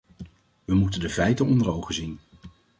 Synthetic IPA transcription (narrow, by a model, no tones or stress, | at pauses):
ʋəmutəndəvɛjtənɔndəɹowχəzin